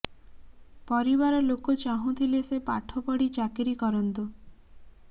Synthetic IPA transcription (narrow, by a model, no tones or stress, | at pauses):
pɔɾibaɾɔlokut͡ʃaɦũt̪ʰilesepaʈʰɔpɔɽit͡ʃakiɾikɔɾɔnt̪u